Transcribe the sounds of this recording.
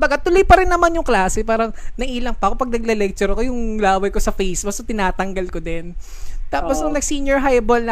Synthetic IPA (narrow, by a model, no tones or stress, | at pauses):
mbɐɡat̪ʊlojpɐɾɪnːɐmanjʊŋklaːsɛpaːɾɐŋnɐʔiːlɐŋpɐkopɐɡ̚nɐɡ̚lɛlɛk̚t͡ʃɛɾɐkojʊŋlaːwɐjkosɐfejsbɐsot̪ɪnaːt̪ɐŋɡɐlkod̪ɛn | t̪aːposɐŋnɐɡsinjɛɹɦajbolnɐ